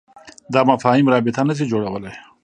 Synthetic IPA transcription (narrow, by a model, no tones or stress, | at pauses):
d̪ɑmafɑɦimɾɑbɪt̪anəs̬id͡ʒoɽawəlaj